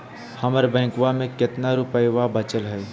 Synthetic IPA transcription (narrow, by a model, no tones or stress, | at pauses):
hɐməɾbɛ̃ːkʋamẽkɪt̪naɾʊpəjʋabət͡ʃəlɦɛ